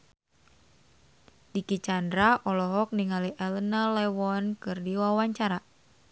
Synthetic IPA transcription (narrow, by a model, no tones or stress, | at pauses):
dikit͡ʃandɾaʔɔlɔɦɔk̚niŋaliʔɛlənalɛwɔnkɨrdiwawaɲt͡ʃaɾa